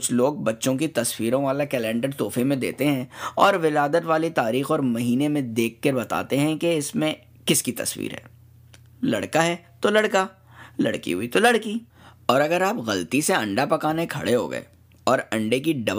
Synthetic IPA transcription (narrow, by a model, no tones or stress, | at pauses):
kʊt͡ʃʰloːɡ̚bɐtːʃõkit̪ɐswiːɾõʋaːlakɛːlɛ̃ːɳɖəɽt̪oːfemẽd̪ḛːt̪eɦɛ̃ɔːɾʋɪlaːd̪ət̪ʋaːlit̪aːɾiːxɔːɾmɐɦiːnemẽd̪eːkʰːɐɾbɐt̪a̰ːt̪eɦɛ̃keɪsmẽ | kɪskit̪ɐ̰sʋḭːɾɦɛ̰ː | lɐ̰ɽkaɦɛːt̪olɐɽka | lɐ̰ɽkḭɦʊit̪olɐɽki | ɔːɾɐɡəɾaːpɣɐlt̪iseɐ̃ɳɖapɐkaːnekʰɐ̰ɽeɦo̰ːɡɐ̰ḛː | ɔːɾɐ̃ɳɖek̬iɖɐb